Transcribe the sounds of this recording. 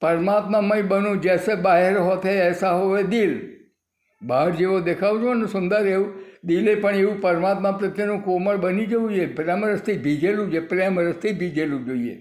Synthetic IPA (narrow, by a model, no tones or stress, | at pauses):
pəɾmat̪mamaibənũd͡ʒesebaɦeɾɦot̪ʰeɛsaɦoʋed̪il | baɽd͡ʒeʋod̪ekʰaʋud͡ʒõnesʊnd̪əɾeʋũd̪ilepəɳeʋũpəɾmat̪mãpɾət̪jenũkoməɭbənid͡ʒəʋũd͡ʒepɾaməɾəst̪ʰibʱid͡ʒelũd͡ʒepɾjaməɾəst̪ʰibʱid͡ʒelũd͡ʒoiḛ